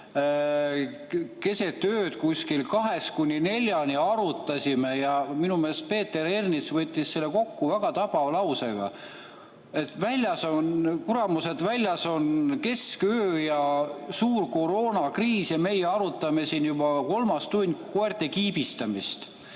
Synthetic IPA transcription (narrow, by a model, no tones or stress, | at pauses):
ke̞se̞t̪ːøːt̪kusʲkilkɑɦe̞skunʲːine̞lʲjɑnʲiɑɾut̪ːˑɑsʲimejɑminume̞ːspe̞ːt̪ːe̞ɾernisvɤt̪ʲːisːe̞lːeko̞kːuvæɡ̥ɑt̪ɑb̥ɑvlɑwseɡ̥ɑ̰ | e̞t̪vælʲjɑsonkuɾɑmuse̞d̪vælʲjɑso̞nke̞skøːjɑsuːrko̞ɾo̞ːnɑkriːsjɑme̞jeɑɾut̪ːˑɑme̞sinjubɑko̞lmɑst̪unʲkoert̪ekiːbist̪ɑmist̪